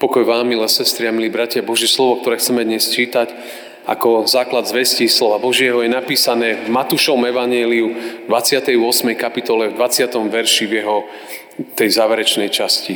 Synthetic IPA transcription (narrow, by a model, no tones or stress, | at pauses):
pɔkɔjʋaːmːilɛsɛst̪ɾiamiliːbɾacɪabɔʒjɛslɔʋɔk̚t̪ɔɾɛːxt͡sɛmɛd̪ɲɛst͡ʃiːt̪ac | a̰kɔzaːklad̪zʋɛscislɔʋabɔʒɪɛɦɔjɛnapiːsanɛːvmat̪uʃɔʋɔmɛʋaɲɛliud̪ʋat͡sɪat̪ɛjʊɔsmɛjkapit̪ɔlɛvd̪ʋat͡sɪat̪ɔmʋɛɾʃivjɛɦɔ | t̪ɛjzaːʋɛɾɛt͡ʃnɛjt͡ʃasci